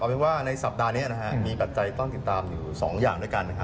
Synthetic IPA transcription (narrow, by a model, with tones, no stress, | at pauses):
kɔː˨˩pe˧nwaː˥˩na˧jsa˨˩p̚daː˧ni˦˥ɐna˦˥kʰa˦˥miː˧pa˨˩t̪̚t͡ɕa˧jt̪ɔ˥˩ŋt̪i˨˩t̪ːaː˧mjuː˨˩sɔ̰ː˩˦ŋjaː˨˩ŋdu˥˩jka˧nːa˦˥kʰa˦˥